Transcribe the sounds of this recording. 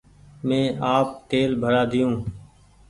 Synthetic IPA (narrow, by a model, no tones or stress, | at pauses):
mẽːaːp̚t̪eːlbʱəɾaːd̪ɪjũː